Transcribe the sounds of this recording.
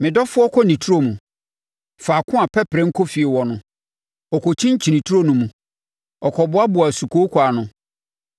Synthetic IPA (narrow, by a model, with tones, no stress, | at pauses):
mɪ̃˨dɔ˦fʊ˦ɔ˦kʰɔ˦nĩ˨tʰu˦ɾo˦mũ˨ | faː˨kʰʊ̃˦a˨pʰɛ˦pʰɾɛ̃˦ŋ̩˦kʰo˦fi˨e˨wɔ˨nʊ̃˨ | ɔ˨kʰo˨t͡ɕʰĩ˦ɲ˦t͡ɕʰi˨nĩ˨tʰu˦ɾo˦nũ˨mũ˨ | ɔ˨kʰɔ˨bʊ˦a˦bʊ˨a˨su˨kʰo˦kʰa˨nʊ̃˨